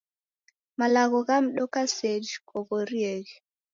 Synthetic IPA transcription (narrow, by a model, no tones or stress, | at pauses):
malaɣɔɣam̩ɗɔkased͡ʒkɔɣoɾieɣe